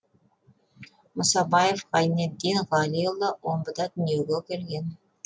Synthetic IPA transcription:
məsɑbɑjefqɑjned̪ːinʁɑlʲijlˠd̪əwʔombəd̪ɑt̪ʰʏne̞wɡʲekʲʰeɾɡʲe̞n

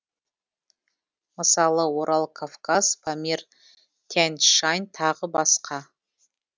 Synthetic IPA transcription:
məsɑlˠəwoɾʔɑlˠkʰafkaspʰamʲer | t̪ʲʰænʃɑjnt̪ʰɑʁəbɑsqʰɑ

